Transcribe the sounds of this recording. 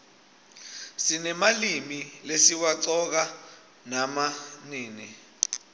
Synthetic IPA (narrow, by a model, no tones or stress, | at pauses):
sinɛmalimilesiwaǀɔk̬a | namaniːni